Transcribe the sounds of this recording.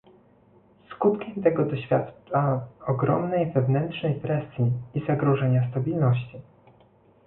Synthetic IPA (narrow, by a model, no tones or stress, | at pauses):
skut̪kʲɛmt̪ɛɡɔd̪ɔɕfʲjat̪t͡ʂaɔɡɾɔ̰mnɛjvɛvnɛntʂnɛjpɾɛsʲjiːzaɡɾɔʐɛɲast̪abʲilnɔɕt͡ɕi